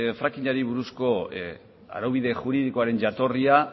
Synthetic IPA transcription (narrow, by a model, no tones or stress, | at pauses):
fɾakiɲaɾiβuɾusko̞ | a̰ɾawβ̞iðe̞ʝuɾiðikoaɾe̞nʝat̪o̞ria